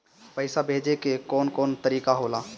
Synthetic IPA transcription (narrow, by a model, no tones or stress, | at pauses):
pəɪsabʱeːd͡ʒekekɔːnkɔːnt̪əɾiːkaɦoːlaː